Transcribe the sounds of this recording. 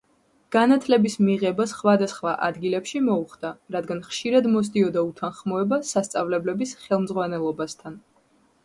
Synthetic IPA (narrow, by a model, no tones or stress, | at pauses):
ɡ̥anat̪ʰlɛbismiʁɛbasχwad̪asχvaʔad̪ɡilɛpʃimɔuχd̪̥aɾad̪ɡanχʃiɾad̪mɔs̬d̪iɔd̪aut̪ʰanχmɔɛbasast̪sʼavlɛblɛbisχɛlˠmzʁwanɛlˠɔbast̪ʰan